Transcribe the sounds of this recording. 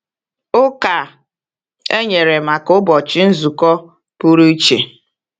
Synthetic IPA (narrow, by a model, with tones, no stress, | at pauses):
ʊ˦ka˨ | e˦ɲe˨ɾe˨ma˨kʊ˦bɔ˨t͡ʃɪ˦n̩˦zu˨kɔ˦ | pu˦ɾu˦i˦t͡ʃe˨